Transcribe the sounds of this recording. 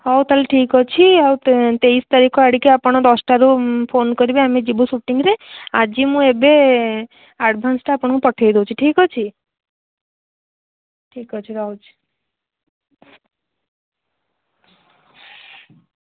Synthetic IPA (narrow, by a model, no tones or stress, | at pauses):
ɦɔwt̪alʈʰikɦɔt͡ʃʰiaw̪t̪ejst̪aɾikʰɔaɽikeapɔɽ̃ɔd̪ɔsʈaɾupʰonkɔɾibeamid͡ʒibusuʈiŋɾead͡ʒimũebe | aʈbʱansʈaːpɔɽ̃pɔʈʰajd̪ewt͡ʃʰiʈʰikɦɔt͡ʃʰi | ʈʰikɦɔt͡ʃʰiɾɔwd͡ʒ